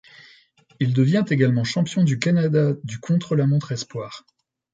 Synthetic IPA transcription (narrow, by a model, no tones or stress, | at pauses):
ild̪əvjɛ̃t̪eɡalmɑ̃ʃɑ̃pjɔ̃d̪ykanad̪ad̪ykʰɔ̃t̪χəlamɔ̃t̪χɛspwaːʁ